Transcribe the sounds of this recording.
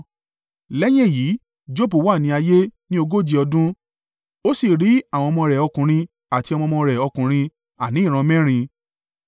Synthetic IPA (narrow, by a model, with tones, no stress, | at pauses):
lɛ˦j̃ɛ̃˦˨jiː˨˦ | d͡ʒo˦bu˨˦wa˦˨nĩ˧a˧je˦nĩ˦o˧ɡo˦d͡ʒi˧ɔ˧dũ˦ | o˦si˦˨ɾi˨˦a˦˨w̃ɔ̃˧mɔ̃˧ɾɛ˨ɔ˧kũ˨ɾ̃ĩ˧ | a˨ti˧ɔ˧mɔ̃˧mɔ̃˧ɾɛ˨ɔ˧kũ˨ɾ̃ĩ˧ | a˨nĩ˨˦˨ɾ̃ã˧mɛ̃˦ɾ̃ĩ˧